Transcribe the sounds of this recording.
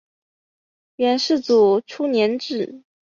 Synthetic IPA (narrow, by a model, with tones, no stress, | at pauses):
ɥɛ˧˥nʂɻ̩˥˩t͡su˨˩ʈ͡ʂʰu˥njɛ˧˥nʈ͡ʂɻ̩˥˩